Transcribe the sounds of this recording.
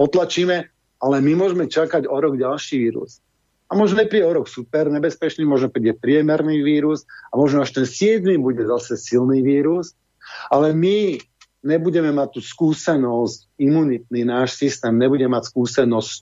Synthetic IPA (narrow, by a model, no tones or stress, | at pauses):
pɔt̪lat͡ʃiːmɛ | alɛmimʊɔʒɛmɛt͡ʃakaɟɔɾɔɡɟalʃiːʋiːɾṵs | amɔʒnɔɛpɾiɟɛɔɾɔksupɛɾɲɛbɛspɛt͡ʃniːmɔʒnɔpɾiːɟɛpɾɪɛmɛɾniʋiːɾusamɔʒnɔaʃt̪ɛnsɪɛd̪mibuɟɛzasɛsilniʋiːɾus | alɛmi | ɲɛbuɟɛmɛmac̚t̪ːuːskuːsɛnɔsc | imunit̪̚ninaːʃsist̪ɛːmɲɛbuɟɛmacskuːsɛnɔsc